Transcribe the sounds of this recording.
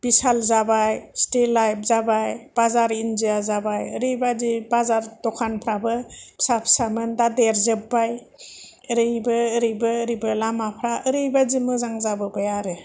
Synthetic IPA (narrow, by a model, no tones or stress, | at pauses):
bisalzabajstelajp̚ʰzabajb̥azaɾind͡ʒiazabajɯɾɯjbazibazaɾtɔkʰanpʰɾabɯsapʰsamɯndadeɾzɯbːaj | ɯɾɯjbɯːɾɯjbɯːɾibɯlamapʰɾaʔɯɾɯjbazimɯzaŋzabɯbɯjaɾɯ